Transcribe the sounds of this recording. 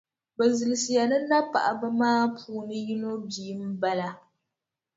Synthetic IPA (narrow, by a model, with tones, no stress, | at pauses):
bɛ˨zɨ˨lɨ˨si˨ja˨nɨ˦na˦pa̰˨ʔa˨ba˦maː˦pʰuː˨˦nɨ˦ji˦no˦biː˨˦m̩˦ba˦la˨